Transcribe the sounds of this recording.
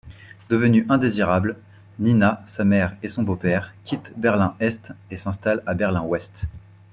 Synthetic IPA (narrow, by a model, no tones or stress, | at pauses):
d̪əvənyʔɛ̃d̪eziʁabl | ninasamɛʁesɔ̃bopɛʁkʲʰit̪bɛʁlɛ̃ɛst̪esɛ̃st̪alabɛʁlɛ̃wɛst̪